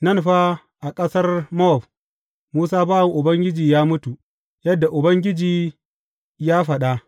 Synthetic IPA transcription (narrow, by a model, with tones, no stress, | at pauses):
nɐ˦˨nɸa˦ | ʔa˨kʼɐ˦sɐ˦rmɔ˦˨ɸ | muː˦saː˦baː˦wɐ˨ŋʔʊ˨bɐ˦ŋɡʲɪ˦d͡ʒiː˨jaː˦mʊ˦tu˨ | jɐ˦dːa˨ʔʊ˨bɐ˦ŋɡʲɪ˦d͡ʒiː˨ | jaː˦ɸɐ˨ɗa˦